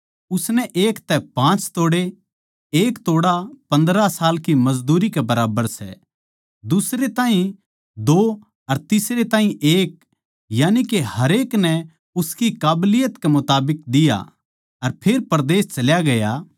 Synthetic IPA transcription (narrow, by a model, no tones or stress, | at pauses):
ʊsnɛʔeːkt̪ɛpãːt͡ʃt̪oːɽe | eːkt̪oːɽapɐ̃nd̪ɾasaːlkimɐzd̪uːɾikebɐɾaːbəɾsɛ̰ | d̪ʊsɾet̪ãːɦĩ | d̪oː | ɐɾt̪ɪsɾet̪ãːɦĩʔeːk̚ | jaːnikehɐɾeːknɛ | ʊskikaːblɪjət̪kemʊt̪aːbɪk̚d̪ɪja̰ | ɐɾpʰeːɾpɐɾd̪eːst͡ʃɐljaɡɐja